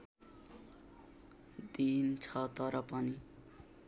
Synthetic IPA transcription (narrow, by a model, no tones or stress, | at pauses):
d̪int͡sʰʌt̪ʌɾʌpʌni